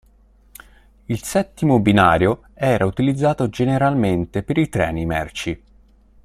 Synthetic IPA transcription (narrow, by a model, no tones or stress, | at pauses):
ilsɛt̪ːimobinaːɾjo | ɛːɾʔaut̪ilid̪zːaːt̪od͡ʒeneɾalment̪epeɾit̪ɾɛ̰ːnimɛ̰rt͡ʃi